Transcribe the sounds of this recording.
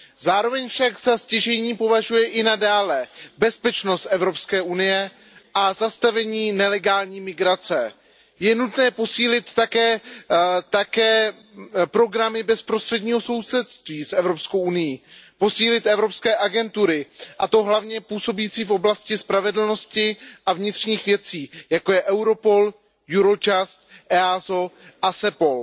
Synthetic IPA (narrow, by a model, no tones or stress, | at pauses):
zaːɾo̞vɛɲfʃakzascɛʒɛɲiːpo̞vaʒujɛʔɪnadaːlɛbɛspɛt͡ʃno̞st̪ʔɛvɾo̞pskɛːʔunɪjɛ | ʔazast̪avɛɲiːnɛlɛɡaːlɲiːmɪɡɾat͡sɛ | jɛnut̪nɛːpo̞siːlɪt̪ːakɛː | t̪akɛː | pɾo̞ɡɾamɪbɛspɾost̪r̥ɛdɲiːɦo̞so̞wsɛt̪st̪viːsʔɛvɾo̞psko̞wʔunɪjipo̞siːlɪt̪ʔɛvɾo̞pskɛːʔaɡɛnt̪uɾɪʔat̪o̞ɦlavɲɛpuːso̞bjiːt͡siːfʔo̞blascɪspɾavɛdl̩no̞scɪʔavɲɪt̪r̝̥ɲiːxvjɛt͡siːjako̞jɛʔɛwɾo̞po̞l | juɾo̞t͡ʃast̪ʔɛazo̞ʔasɛpo̞l